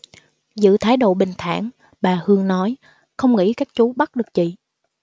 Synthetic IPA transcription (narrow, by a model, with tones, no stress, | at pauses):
zɨ̰˧˨t̪ʰaː˨˦jɗo̰˧˨ɓï˨˩ŋ̟t̪ʰa̰ː˧˩˨ŋ | ɓaː˨˩hɨ˧əŋnɔ˨˦j | xə˧wŋ͡mŋḭ˧˥kaː˦˥k̚t͡ɕu˨˦ɓa˦˥t̚ɗɨ˨˩ək̚t͡ɕḭ˧˨